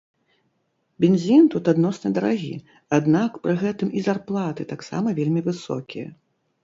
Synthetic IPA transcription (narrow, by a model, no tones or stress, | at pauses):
bʲenzʲint̪ut̪ad̪nɔsnɨd̪ɐɾaɣʲḭ | ad̪nakpɾɨɣɛt̪ɨmizarplˠat̪ɨt̪aksa̰mɐvʲelʲmʲivɨsɔ̰kʲijɐ̰